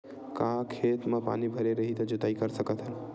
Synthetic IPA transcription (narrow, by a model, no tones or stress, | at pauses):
kãkʰet̪mə̃pa̰nibʱəɾeɾəɦit̪əd͡ʒot̪aikəɾsəkət̪ʰɦəl